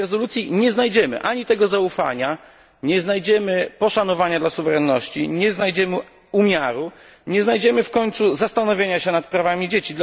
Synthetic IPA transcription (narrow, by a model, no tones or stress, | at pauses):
ɛzɔlut̪sʲjiɲɛznajd͡ʑɛmɘ̰ʔaɲit̪ɛɡɔzaufa̰ɲa | ɲɛznajd͡ʑɛmɘpɔʂanɔvaɲad̪lasuvɛɾɛnːɔɕt͡ɕḭɲɛznajd͡ʑɛmɘ | umʲjaɾu | ɲɛznajd͡ʑɛmɘfkɔɲt̪suzast̪anɔvʲjeɲaɕɛnat̪̚pɾavamʲid͡ʑet͡ɕid̪l